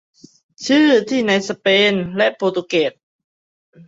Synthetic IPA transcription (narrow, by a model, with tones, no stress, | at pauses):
t͡ɕʰɯː˥˩t̪ʰiː˥˩na˧jsa˧peː˧nlɛ˦˥ʔpoː˧t̪u˧ke˨˩t̪̚